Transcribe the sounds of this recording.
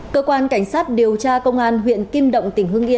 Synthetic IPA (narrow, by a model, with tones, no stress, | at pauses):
kəː˧kwaː˧nka˧˩jŋsaː˦˥t̚ɗi˨˩əwt͡ɕaː˧kə˧wŋ͡mʔaː˧nɦwḭ˧˨ənki˧mɗə̰˧˨wŋ͡mt̪ï˨˩ŋ̟hɨ˧əŋʔi˧ən